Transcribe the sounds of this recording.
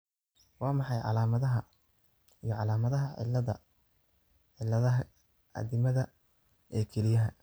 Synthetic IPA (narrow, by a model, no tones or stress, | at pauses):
wɑːmɑħɑjʕɑ̰laːmɐðɐɦɐ | ijɞʕɑlaːmɐðɐɦɐʕɪ̰lɐðɐ̰ | ɪlɐðɐɦɐ | ʔɐ̰ðɪmɐðɐ | ʔɛːkʰɛlɪjɐɦɐ